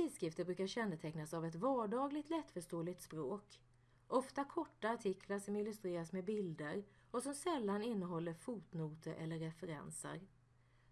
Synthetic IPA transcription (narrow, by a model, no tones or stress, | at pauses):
t̪iːskɾɪft̪əbɾʉ̟ːkaɾɕɛnːət̪ʰɛknasavɛt̪vɑːɖɑːɡlɪɡ̚t̪lɛt̪ːfœʂʈoːlɪt̪spɾoːk | ʔɔft̪akʰɔʈːaːʈʰɪkʰlaʂɔmɪlɵst̪ɾeːɾasmɛbɪld̪əɾ | ɔsɔmsɛlːanɪnːəɦɔlːəɾfuːt̪nuːt̪ʰəʔɛ̰lːəɾːɛfəɾɛ̰nsə̰ɾ